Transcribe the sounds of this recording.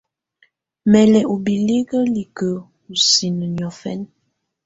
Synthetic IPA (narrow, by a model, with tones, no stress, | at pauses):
mɛ˨lɛ˨ʔo˨bi˨le˦ɡə˦li˨kə˨ | u˨si˨nə˨n˨ɔ˨fɛ̰˦n